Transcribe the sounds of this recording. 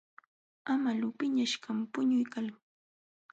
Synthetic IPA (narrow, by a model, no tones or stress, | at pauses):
amalʊpɪɲaʃkampʊɲʊjkal